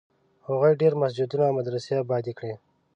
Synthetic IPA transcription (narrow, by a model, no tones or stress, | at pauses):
haɣojɖeɾmasd͡ʒud̪unamad̪ɾasabɑd̪ikɽe